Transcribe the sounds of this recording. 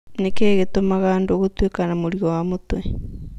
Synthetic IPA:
nekeːɣetomaɣaːndoɣotwekanamoɾiɔwamotwe

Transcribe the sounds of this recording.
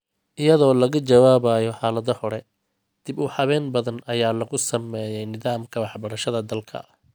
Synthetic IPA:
ʔɪjɐðɔːlɐɣɐt͡ʃɐwaːβaːjɔħɑːlɐðɐhɔɾɛ | d̪̥ɪbʊħɑβɛːnbɐðɐnɐjaːlɐɣʊsɐmɛjɛjnɪðaːmkʰɐwɑħbɐɾɐʃɐðɐd̪ɐlkʰɐ̰ʔɐ

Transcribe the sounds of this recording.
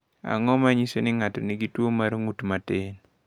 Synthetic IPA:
a̰ŋɔmaɲisonɪŋatɔniɡitwomaɾŋutmaten

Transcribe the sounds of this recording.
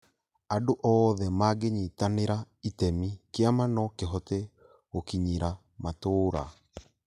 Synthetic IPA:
adoʔɔðɛmaɡeɲitaneɾa | itɛmikeamanɔkeɦɔte | okiɲiɾa | matoːɾa̰

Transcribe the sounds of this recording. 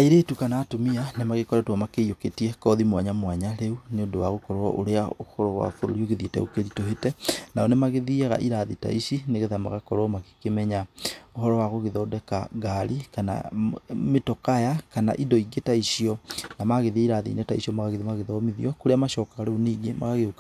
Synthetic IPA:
aiɾetukanaːtomianemaɣekɔɾɛtwamakejoketiɛkɔðimwaɲamwaɲaɾeuneondowa̰ɣokɔɾɔʔoɾeaohɔɾɔwa̰foɾo̰ɾioɣeðietɛ̰okeɾitoɦetɛnaɔnemaɣeðiɛɣa̰ʔiɾaðita̰iʃineɣeðama̰ɣakɔɾɔmake̥kemɛɲaohɔɾɔwaɣoɣeðɔːdɛka̰ɡaɾikana̰metɔkajakana̰ʔidɔiɡetaisiɔnamaɣeðiaiɾaðḭnetaisiɔmaɣaɣeðimaɣeðɔmiðḭɔkoɾeamaʃɔːkaɣaɾeuneɡema̰ɣaɣeoka

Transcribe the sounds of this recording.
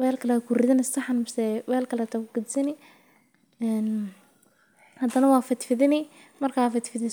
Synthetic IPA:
wɛːlkʰɐlɛːkʰurɪðɪnɪst̪ɐħnmsɛwɛːlkʰɐlɛːt̪ʰɐkʰʊɡ̥ɐd̪sɪnɪ | ɛːn | hɐd̪ɐnɐwɑːfɪt̪fɪðɪnɪ | mɐrkʰaːfɪt̪fɪðɪ

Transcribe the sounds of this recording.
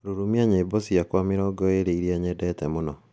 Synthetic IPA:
ɾoɾumiaɲeːbosijakwamiɾɔːɡɔeɾeiɾiɛɲedɛtɛmonɔ

